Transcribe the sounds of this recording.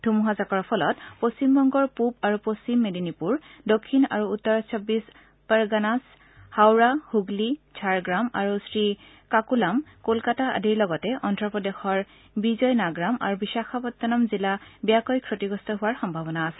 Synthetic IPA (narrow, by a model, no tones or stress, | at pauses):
dʱumuɦazakɔɹpʰɔlɔtpost͡ɕimbɔŋɡɔɹpupaɹupost͡ɕimːedinipuɹdokʰːina̰ɹuːtːɔɹɔsʰɔbːis | pɛɹɡanas | hawɹahuɡlid͡ʒʰaɹɡɹama̰ɹusɹi | kakulamkolkataa̰diɹlɔɡɔtɛʔɔntɹɔpɔdexɔɹ | bizɔjnaɡɹama̰ɹubisaxʰapɔt̪ːanamzilabijakɔjkʰɹotiɡɔstɔɦʊwaɹxɔmbʱabɔnaːsɛ̥